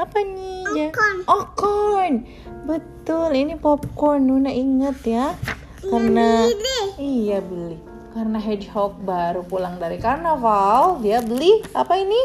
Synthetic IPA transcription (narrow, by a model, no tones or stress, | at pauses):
apanid͡ʒanɔkɔn | bət̪ʊlinipɔp̚kɔrnunaʔiŋət̪ja | karna | ijabəlɪh | karənaɦɛdhɔk̚baɾupulaŋdaɾikarnavaldiabəlihapaini